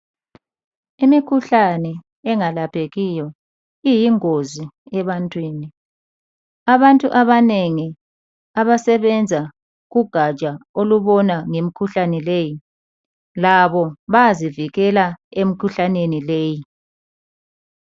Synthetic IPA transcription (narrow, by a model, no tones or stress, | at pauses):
imikʰuɬanɛ | ɛŋalapʰeɣijɔ | ijiŋoziɛβantʼwiːni | aβantʼṵʔaβaneŋi | aβasɛβɛnd͡zʱa | ɣuɡ̥ʱḁt͡ʃʼaoluβɔnaŋemikʰuɬanɛleːji | laβɔβaziviɣɛlaemikʰuɬanenileːji